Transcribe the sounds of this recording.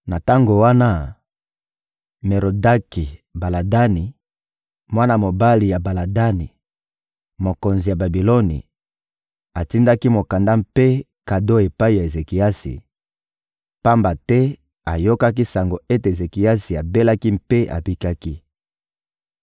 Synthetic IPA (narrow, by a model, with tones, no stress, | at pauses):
na˨ta˦ŋɡo˨wa˦na˦ | me˨ʁo˨da˦ki˨ba˨la˨da˦ni˨ | mwa˦na˨mo˨ba˦li˨ja˨ba˨la˨da˦ni˨ | mo˨ko˨nzi˨ja˨ba˨bi˨lo˦nḭ˨ | a˨ti˦nda˦ki˦mo˨ka˨nda˦mpe˦ | ka˨do˦e˨pa˦i˨ja˨e˨ze˨ki˨ja˦sḭ˨ | pa˦mba˨tɛ˦ | a˨jo˦ka˦ki˦sa˨ŋɡo˨e˦te˨e˨ze˨ki˨a˦si˨a˨be˦la˦ki˦m̩pe˦ʔa̰˨pi˦ka˦ki˦